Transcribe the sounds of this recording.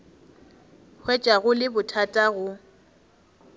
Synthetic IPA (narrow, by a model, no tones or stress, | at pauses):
hwɛt͡ʃʼaɣʊlɪbʊtʰatʼaɣʊ